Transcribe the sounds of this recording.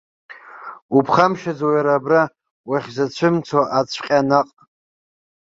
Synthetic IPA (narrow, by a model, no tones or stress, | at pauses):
upʰχamʃad͡zowjaɾabra | waχʲzat͡ɕʷʰɨmt͡sʰaʔat͡sʷʰqʲʼanaqʼ